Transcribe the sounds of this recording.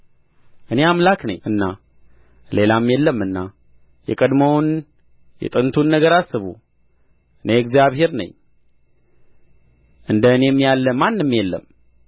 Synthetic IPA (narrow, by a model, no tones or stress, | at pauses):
ʔɨne̞amlaknə̰ɲːɨnːa | le̞lamjɛlːəmːɨnːa | jɛ̰kʼəd̪məwn | jɛ̰t̪ʼɨnt̪ʰunːəɡəɾasːɨβṵ | ɨne̞ɨɡzijaβhe̞ɾnə̰ɲː | ʔɨnd̪əɨnemːijalːəmːanːɨmːjɛlːə̰m